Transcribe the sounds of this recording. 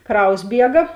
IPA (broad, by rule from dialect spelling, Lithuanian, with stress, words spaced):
ˈkrɐʊs ˈbʲiɛɡɐ